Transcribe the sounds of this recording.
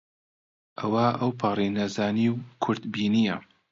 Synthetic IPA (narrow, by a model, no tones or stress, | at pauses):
ʔɐwaʔɐwpʰɑːrˤinɐzaːniwkʰʊɾd̪biːnijɐ